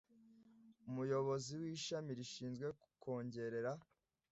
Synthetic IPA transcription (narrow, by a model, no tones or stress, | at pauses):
umujo̞βo̞ziwiːʃamiɾiʃiːnzɡwe̞kukʰo̞ːɲɟe̞ɾe̞ɾa